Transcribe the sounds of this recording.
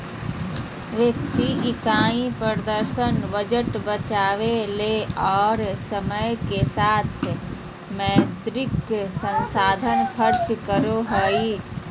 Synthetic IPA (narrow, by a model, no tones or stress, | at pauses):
ʋjək̚t̪iɪkaːĩpɾd̪əɾsənbəd͡ʒəʈbət͡ʃaːʋeleɔːɾsəməjkesaːt̪ʰ | məd̪ɾɪksənsaːd̪ʱənkʰəɾt͡ʃkəɾoɦəi